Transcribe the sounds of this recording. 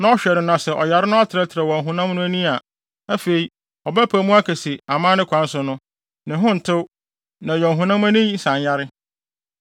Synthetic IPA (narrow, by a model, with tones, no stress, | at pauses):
nã˦ɔ˦ɕᶣɛ˨ɾɪ˨nã˨sɛ˨ʔɔ˨ja˨ɾɪ˦nʊ̃˦a˦tʰɪ˨ɾɛ˦tʰɪ˨ɾɛ˨wɔ̃˨ɦʊ̃˨nã˦mnʊ̃˦æ˦nĩ˦a˨ | æ˦fe˨i˨ | ɔ˨bæ˦pʰæ˨mũ˦a˦kʰæ˨si˨a˨mãː˦nɪ̃˦kʷʰã˨˦n̩˦sʊ˨nʊ̃˦ | nɪ̃˨ɦʊ̃˦n̩˨tʰɪ˦ | nã˨jɔ̃˨ɦʊ̃˨nã˦mæ˦nɪ̃˦i˦sã˨ɲja˦ɾɪ˦